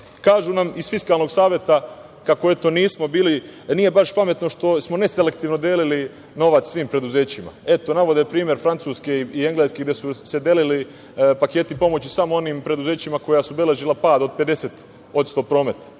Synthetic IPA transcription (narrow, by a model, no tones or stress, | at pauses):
kaːʒunamisfiskaːlˠno̞ɡsaːʋje̞t̪a | kako̞e̞t̪o̞niːsmo̞biːliniːje̞baʃpame̞t̪no̞ʃt̪o̞smo̞ne̞sele̞k̚t̪iːʋno̞d̪jeːlili | no̞ʋat̪sʋiːmpɾe̞d̪uze̞ːt͡ɕima̰e̞t̪o̞naʋo̞d̪epɾiːmʲje̞ɾfɾant̪suːske̞iieŋɡlˠeskeɡd̪jesuse̞d̪jelili | pake̞ːt̪ipo̞mo̞t͡ɕisamoo̞niːmpɾe̞d̪uze̞ːt͡ɕimako̞jasube̞le̞ʒilˠapaːd̪o̞d̪̚pe̞d̪e̞seːt̪ | o̞t̪st̪o̞pɾo̞ːmet̪ḁ